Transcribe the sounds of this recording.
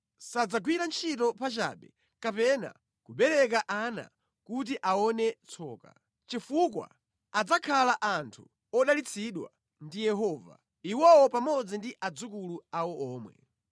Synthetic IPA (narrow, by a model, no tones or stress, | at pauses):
sad͡zaɡwiɾant͡ʃʰitɔpat͡ʃa̰ːɓɛ | kapɛna̰ | kuɓɛɾɛk̬aʔana̰ | kut̬iʔaɔnɛt͡sʰɔːka̰ | t͡ʃifuk̬wa̰ | ad͡zakʰalaʔantʰu | ɔɗalit͡sʰiɗwa̰ | ndijɛɦɔːva̰ | iwɔwɔpamɔd͡zindiʔad͡zukuluawɔɔːmwɛ̰